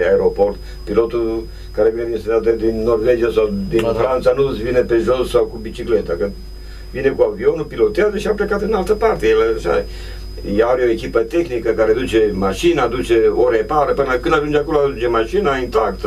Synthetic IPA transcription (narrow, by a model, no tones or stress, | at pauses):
aeɾoport̪ | pilot̪ul | kaɾevineinst̪ed̪at̪̬ed̪inːorved͡ʒijasawd̪infɾant̪sanusvinepeʒossawkubit͡ʃiklet̪akɨnd̪ | vinekuavionupilot̪eazəʃiaplekat̪ɨnalt̪əpart̪ejeləʃa̰ | jaaɾeoekʲipət̪exnikəkaɾed̪ut͡ʃemaʃinad̪ut͡ʃeoɾepaɾəpɨnəkɨnd̪aʒund͡ʒakoload̪unt͡ʃemaʃinaint̪akt̪